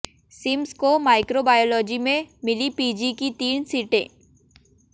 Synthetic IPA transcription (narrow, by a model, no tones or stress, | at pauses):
sɪmskomaːɪkɾobaːjoːlɔːd͡ʒimẽmɪlipiːd͡ʒikit̪iːnsiːʈḛ̃ː